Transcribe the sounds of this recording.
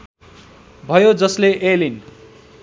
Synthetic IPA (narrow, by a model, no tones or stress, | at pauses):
bʱʌjod͡zʌsleʔelin